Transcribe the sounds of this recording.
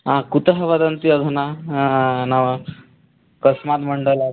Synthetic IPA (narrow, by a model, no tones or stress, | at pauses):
ãkut̪əɦəʋad̪ənt̪iəd̪ʱuna | naʋə | kəsmat̪məɳɖəla